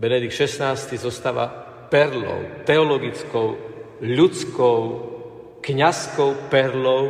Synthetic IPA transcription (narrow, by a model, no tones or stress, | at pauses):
bɛnɛd̪iktʃɛsnaːst̪izɔst̪aːʋa̰ | pɛɾlɔ̰ʊt̪ɛɔlɔɡit͡skɔʊ | ʎut͡skɔw | kɲaskɔʊpɛɾlɔʊ